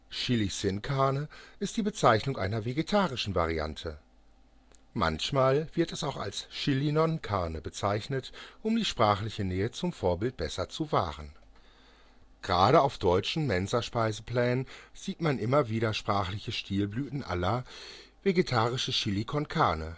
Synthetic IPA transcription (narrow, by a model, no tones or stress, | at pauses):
ʃɪlisɪnkʰaɐnəʔɪst̚d̥iːbət͡saɪçnʊŋʔa̰ɪnɐveɡetʰaːʁɪʃn̩va̰ʁ̞ia̰ntʰə | ma̰nçmaːlv̥ɪɐtɛsaʊxa̰lsʃɪlinɔnkʰaɐnəbət͡saɪçnətʔʊmdiːʃpʁ̥aːχlɪçənɛːət͡sʊmfoːɐbɪlt̚b̥ɛsɐt͡suva̰ːʁən | ɡ̥ʁaːɾəaʊfd̥ɔʏt͡ʃn̩mɛnzɐʃpaɪzəpl̥ɛːnənz̥iːtmanʔɪmɐviːɾɐʃpʁ̥aːχlɪçəʃtʰiːlblyːtn̩ʔa̰lɐ | veɡetʰaːʁ̞ɪʃn̩ʃilikʰɔnkʰaɐnə